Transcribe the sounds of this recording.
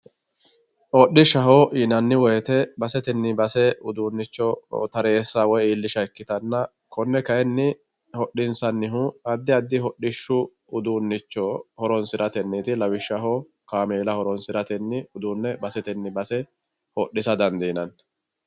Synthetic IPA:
ʔɔɗːɪʃɐɦoʔinɐnːɪwɔjɛt̪ɛbɐsɛt̪ɛnːɪbɐsɛʊd̪uːnːɪt͡ʃːɔt̪ɐɾe̞ːsːawɔjiːlːɪʃɐɛkːɪt̪ɐnːɐ | kɔnːɛkɐjɛnːɪ | hɔɗːɪnsɐnːɪɦʊɐd̪ːɪɐd̪ːɪhɔɗɪʃːʊ | ʊd̪uːnːɪt͡ʃːɔhɔɾɔnsɪɾɐt̪ɛnːɪt̪ɪlɐwɪʃːɐɦo | kaːmeːlɐhɔɾɔnsɪɾɐt̪ɛnːɪʊd̪uːnːɛbɐsɛt̪ɛnːɪbɐsɛ | hɔɗːɪsɐd̪ɐnd̪iːnɐn

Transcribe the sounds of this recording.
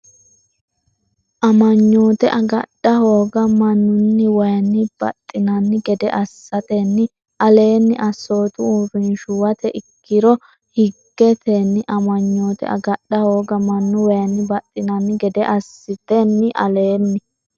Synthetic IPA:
ʔɐmɐɲːo̞ːt̪ɛʔɐɡɐ̰ɗːɐho̞ːɡɐmɐnːʊnːɪwɐjɐnːɪb̥ɐ̰t̪ʼːɪnɐnːɪɡɛd̪ɛʔɐsːɐt̪enːɪ | ʔɐle̞ːnːɪʔɐsːo̞ːt̪ʊuːfɪnʃʊwɐt̪ɛʔɪkːɪɾɔ | hɪɡːɛt̪enːɪʔɐmɐɲːo̞ːt̪ɛ̰ʔɐ̰ɡɐɗːɐhoːɡɐmɐnːʊwɐjɐnːɪbɐt̪ʼːɪnɐnːɪɡɛd̪ɛʔɐsːɪt̪ɛnːɪʔɐ̰le̞ːnːɪ

